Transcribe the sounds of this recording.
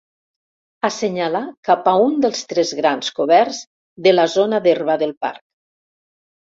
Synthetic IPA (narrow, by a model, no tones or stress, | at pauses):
aseɲalakapaund̪əlˠst̪ɾɛzɣɾanskoβɛɾz | ðəlazonaðerβaðəlˠpa̰ɾk̚